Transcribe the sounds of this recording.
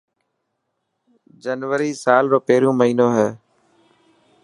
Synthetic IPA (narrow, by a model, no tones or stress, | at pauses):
d͡ʒənʋəɾiːsaːlɾoːpeːɾijõːməɦiːnoːɦɛː